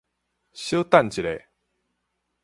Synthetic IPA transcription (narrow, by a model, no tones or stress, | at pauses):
ɕot̪ant͡ɕiɾe